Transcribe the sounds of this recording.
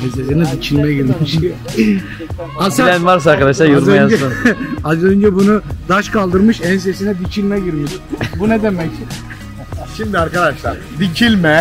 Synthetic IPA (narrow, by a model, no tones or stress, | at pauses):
ɛnses̬inɛd̪icʰilʲmɛɟiɾmiʃ | asaænvaɾs̬aːɾkad̪aʃlˠajuɾɾøad͡ʒɛɯazønd͡ʒɛbunud̪aʃkʰalˠd̪ɯɾmɯʃɛns̬e̞sinɛd̪icʰilʲmɛɟiɾmiʃbunɛd̪emɛc | ʃimd̪iaɾkad̪aʃlˠaɾ | d̪it͡ʃʰilʲmɛ